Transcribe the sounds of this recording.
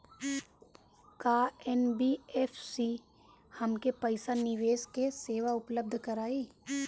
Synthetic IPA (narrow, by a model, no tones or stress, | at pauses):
kaːɛnbiːɛːfʰsiː | həmkepəɪsanɪʋeːskeseːʋaʊpləb̚d̪ʱkəɾaːiː